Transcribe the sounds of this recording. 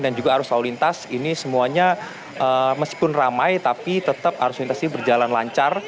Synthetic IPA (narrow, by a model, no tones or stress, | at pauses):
dand͡ʒuɡaɦaɾʊst̪aulint̪asinisəmuaɲa | ʔəməski̥pʊnramajt̪apit̪ət̪əp̚ha̰ɾʊslint̪asinibərd͡ʒalanla̰ɲt͡ʃar